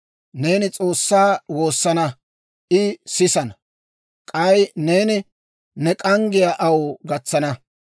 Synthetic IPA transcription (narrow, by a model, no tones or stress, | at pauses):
ne̞ːnɪt͡sʼo̞ːsːaːwo̞ːsːɐnɐ | ʔɪsɪsɐnɐ | kʼɐjne̞ːnɪ | nɛkʼɐŋɡɪjaʔɐwɡɐt͡sːɐnɐ